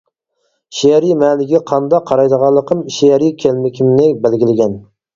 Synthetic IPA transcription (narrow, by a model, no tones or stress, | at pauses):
ʃeɾimɛlɪɡʲɛqʰɑnd̪ɑqʰːɑɾɑjd̪əʁɑlˠːəqʰəmʃeɛɾikʲʰælmɪkʲʰimnɪbælɡʲilɪɡʲɛn